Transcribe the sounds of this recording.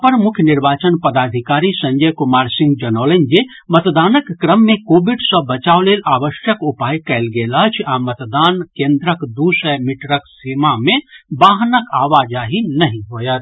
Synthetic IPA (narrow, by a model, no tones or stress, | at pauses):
pəɾmukʰjniɾbat͡ʃənpəd̪ad̪ʱikaɾisə̃ɲd͡ʒəjkumaɾsĩŋɡd͡ʒənəʊlənd͡ʒe | mət̪d̪anəkːɾəmːekobiɖsə̃bət͡ʃaʊlelabəʃjəkupajkɛɪlɡelət͡ʃʰamət̪d̪ankẽnd̪ɾəkd̪usɛmiʈɾəksimamebaɦnəkaʋad͡ʒaɦinəɦĩɦojət̪